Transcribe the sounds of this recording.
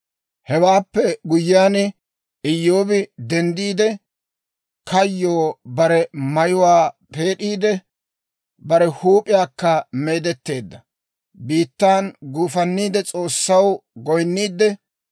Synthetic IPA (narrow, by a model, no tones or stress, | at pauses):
hɛwaːpːɛɡʊjːɪjaːn | ɪjːo̞ːbɪd̪ɛnd̪iːd̪ɛ | kɐjːoːbɐɾɛmɐjʊwaːpʰe̞ːɗiːd̪ɛ | bɐɾɛhuːpʼɪjaːkːɐme̞ːd̪ɛt̪ːe̞ːd̪ːɐ | biːt̪ːaːnɡuːfɐnːiːd̪ɛt͡sʼo̞ːsːɐwɡɔjnːiːd̪ɛ